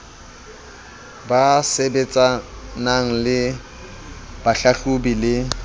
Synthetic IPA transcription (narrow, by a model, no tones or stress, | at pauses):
basebet͡sʼanaŋ̩lɪ | b̥aɬaɬʊbilɪ